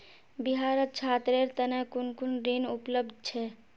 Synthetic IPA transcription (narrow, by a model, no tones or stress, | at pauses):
biɦaɾət̪̚t͡ʃʰaːt̪ɾeɾt̪ənekunkunɾinupləb̚d̪̚ʱt͡ʃʰɛ